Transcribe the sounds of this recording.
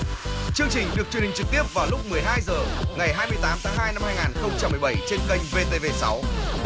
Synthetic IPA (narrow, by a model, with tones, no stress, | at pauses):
t͡ɕɨ˧əŋt͡ɕï˨˩ŋ̟ɗɨ˨˩ək̚t͡ɕwənï˨˩ŋ̟t͡ɕɨ˨˩k̚t̪i˦˥əp̚vaː˨˩wlʊ˦˥k͡p̚mɨ˨˩əjɦaː˧jzəː˨˩ŋa˨˩jɦaː˧jmɨ˧jt̪aː˨˦mt̪ʰaː˨˦ŋɦaː˧jna˧mhaː˧jŋaː˨˩nxə˧wŋ͡mt͡ɕa˧mːɨ˨˩ə˩jɓə˧˩jt͡ɕe˧nkə˧jŋ̟ve˧t̪e˧ve˧sa˨˦w